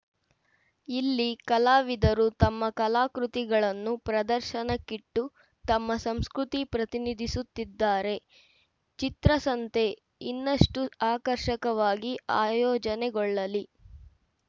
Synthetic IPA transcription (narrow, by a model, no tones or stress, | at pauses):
ilːikɐlaːʋid̪ɐɾut̪ɐmːɐkɐlaːkɾut̪iɡɐɭɐnːupɾɐd̪ɐɾʃɐnɐkiʈːu | t̪ɐmːɐsɐmskɾut̪ipɾɐt̪inid̪ʱisut̪ːid̪ːaːɾe̞ | t͡ʃit̪ɾɐsɐnt̪e̞ | inːɐʂʈuaːkɐɾʃɐkɐʋaːɡiaːjɔːd͡ʒɐnɛɡɔɭːɐli